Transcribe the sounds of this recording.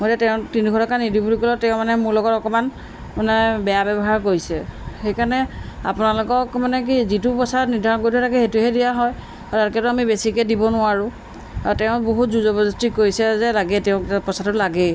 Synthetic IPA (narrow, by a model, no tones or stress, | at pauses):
mojtɛtɛʊ̃tinikʰɔtɔkanidibulikɔlɔtɛʊ̃manɛmʊɹlɔɡɔtɔkɔman | manɛbɛjabɛbɔɦaɹkoɹisɛxejkaɹnɛa̰pʊnalʊkɔkmanɛk̬izitʊpɔsaɔniɹdʱaɹɔnkoɹitʰɛtʰakɛxetuɦɛdijaɦɔj | ataɹkɛtʊamibesikɛdibɔnʊaɹʊ̃ | atɛʊ̃boɦutzuzɔbɔzɔstikoɹisɛzɛlaɡɛtɛʊ̃pɔsatʊlaɡɛ